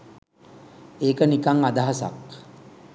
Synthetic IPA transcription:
eːkənikaŋad̪aɦasa̰k

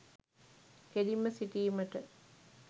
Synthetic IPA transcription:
keliməsiʈiːmɐʈə

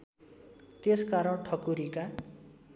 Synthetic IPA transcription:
t̪eskaɾʌɽʈʰʌkuɾika

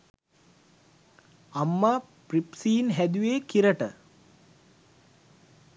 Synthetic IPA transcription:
amːaː | pripsiːnɦæd̪uʋeːkiɾəʈə

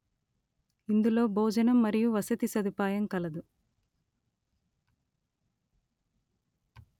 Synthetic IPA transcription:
ind̪ulo̞ːbʱoːd͡ʒɐnɐmːɐɾijuʋɐsɐt̪isɐd̪upaːjɐmkɐlɐd̪u

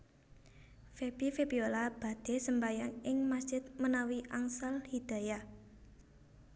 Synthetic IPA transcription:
feb̥ifepiolab̥a̤d̪̥e̤səmbajaŋɪŋmasd̥ʒ̥ɪt̪̚mənawiʔaŋsalhid̪̥a̤ja

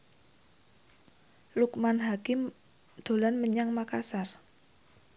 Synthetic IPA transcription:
lukmanɦakɪm | d̪̥o̤lanməɲaŋmakasar

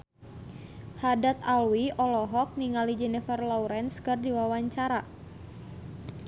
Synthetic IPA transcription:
hadat̪alwiʔɔlɔɦɔk̚niŋalid͡ʒɛnifərlɔwɾɛnskɨrdiwawaɲt͡ʃaɾa

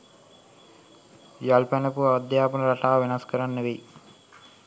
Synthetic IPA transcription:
jalpɛnɐpuad̪jaːpunɐɾaʈaːʋenɐskəɾanːeʋej

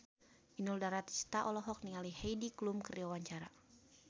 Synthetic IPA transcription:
inuldaɾat̪i̥st̪aʔɔlɔɦɔk̚niŋalihɛjdiklumkəɾiɔwaɲt͡ʃaɾa

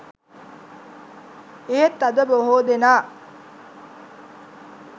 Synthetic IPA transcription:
eɦet̪ːɐd̪əbəoɦoːd̪enaː

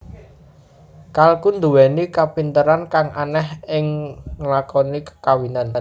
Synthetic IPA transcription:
kalkund̪uwɛnikapint̪əɾankaŋʔanɛhɪŋlakɔnikə̥kawinan

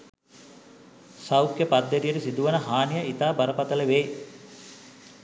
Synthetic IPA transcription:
sawkjəpad̪ːeɾijəʈəsid̪uʋənəɦaːnijaʔit̪aːbɐɾəpat̪ələʋeː

